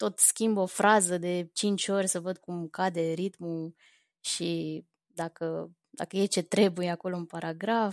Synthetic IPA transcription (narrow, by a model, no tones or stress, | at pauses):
t̪o̞t̪skʲimbo̞fɾazəd̪e̞t͡ʃint͡ʃʲo̞rʲsəvəd̪̚kumkad̪e̞ɾit̪mu | ʃi | d̪akə | d̪a̰kəje̞t͡ʃe̞t̪ɾe̞bujeako̞lo̞ɨnpaɾaɡɾaf